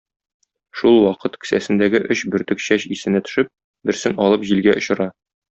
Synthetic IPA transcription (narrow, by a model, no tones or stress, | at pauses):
ʃulˠwɒqɤt̪kɘ̥̆sæsɘ̆nd̪æɡɘʔɵɕbɵ̆ɾt̪ɘ̆kɕæɕisɘ̆næt̪ɵ̥̆ʃɘp̚ | bɘ̆ɾsɘŋɒlˠɤpʑilɡæʔŏɕɤ̆ɾɑ